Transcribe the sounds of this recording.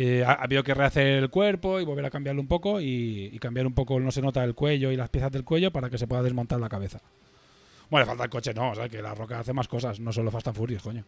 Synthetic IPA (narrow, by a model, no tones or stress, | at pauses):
eaa̰βiðo̞ke̞re̞aθe̞ɾelkwe̞ɾpo̞iβoβe̞ɾakambjaɾloumpo̞ko̞iːkambjaɾumpo̞ko̞no̞se̞no̞t̪aelkwe̞ʎo̞ilaspjeθazðelkwe̞ʝo̞paɾake̞se̞pweðaðe̞zmont̪aɾlakaβe̞θa | molefalt̪aelko̞t͡ʃe̞no̞osakela̰ro̞kaaθe̞masko̞sasnoso̞nlːofast̪aɱfuɾjoskoɲo